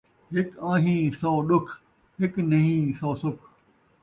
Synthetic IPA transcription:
ɦɪkãːɦĩːsoːɗʊkʰ | ɦɪknɐɦĩːsoːsʊkʰ

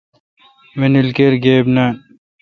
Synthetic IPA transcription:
menilkeɾɡeːbnan

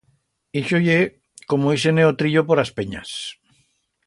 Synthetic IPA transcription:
iʃoje | komois̬eneot̪ɾiʎopoɾaspeɲa̰s

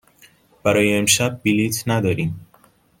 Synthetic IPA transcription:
b̥æɾɒːjeːmʃæb̚ːilit̪ʰnæd̪ɒːɾiːm

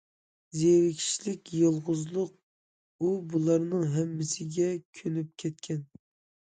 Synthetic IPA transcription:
zeɾɪkʲʰi̥ʃlɪkʲjolˠʁʊzlˠʊq̚ | ubulˠɑɾnɨŋɦɛmːɪsɪɡʲɛkʲʰønyp̚kʲʰɛt̪̚kʲʰɛn

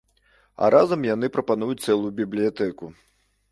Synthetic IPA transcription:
ɐ̰ɾʔazɐmjan̪ɨpɾɐpanujut͡sʲt̪sɛlˠujubʲiblʲijat̪ɛku

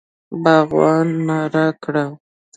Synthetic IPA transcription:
baɣwɑnːaɾakɽaw

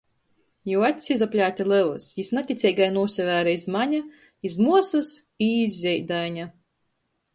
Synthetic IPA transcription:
juwat̪ʲsʲizapʲlʲaːt̪ʲalˠɛlˠɨ̰sjisnat̪ʲit̪sʲɛjɡajnuɔsʲɛvæːɾaizmaɲʲa | izmuɔsɨs | iːzzʲɛjd̪ajnʲa

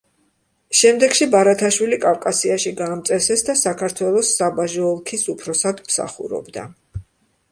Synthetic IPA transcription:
ʃɛmd̪ɛɡ̥ʃibaɾat̪ʰaʃwilikʼavkʼasiaʃiɡaːmt̪sʼɛɾsɛsd̪asakʰaɾt̪ʰwɛlˠɔsːabaʒɔːlˠkʰisupʰɾɔsad̪msa̰χṵɾɔ̰bd̪a̰

